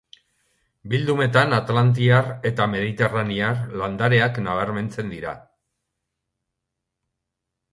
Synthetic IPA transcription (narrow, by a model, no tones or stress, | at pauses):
bild̪ume̞t̪anat̪alant̪̬iare̞t̪ame̞ð̞it̪e̞raniaɾland̪aɾe̞aknaβaɾme̞nt͡se̞nd̪iɾa̰